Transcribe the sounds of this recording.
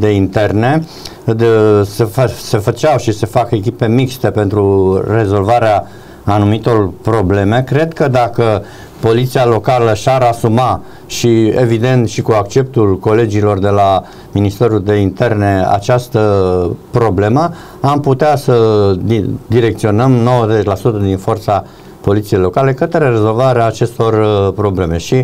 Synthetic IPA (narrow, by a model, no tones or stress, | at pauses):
d̪e̞int̪e̞rne̞ | sese̞fət͡ʃawʃise̞fake̞k̬ʲipe̞mikst̪e̞pe̞nt̪ɾure̞zo̞lvaɾeaː | numit̪o̞rpɾo̞ble̞me̞kɾe̞d̪kəd̪akə | po̞lit̪sialo̞kaləʃaɾasuma | ʃie̞vid̪e̞nt̪ʃikuak̚t͡ʃe̞p̚t̪ulko̞le̞d͡ʒilo̞rd̪e̞la | minist̪e̞ɾuld̪e̞int̪e̞rne̞a̰t͡ʃast̪əpɾo̞ble̞mə | amput̪easəid̪iɾe̞k̚t̪sio̞nəmno̞wəzet͡ʃlasut̪əd̪info̞rt̪sa | po̞lit̪sije̞jlo̞kale̞kət̪ɾe̞re̞zo̞lvaɾeaːt͡ʃe̞st̪o̞rpɾo̞ble̞me̞ʃi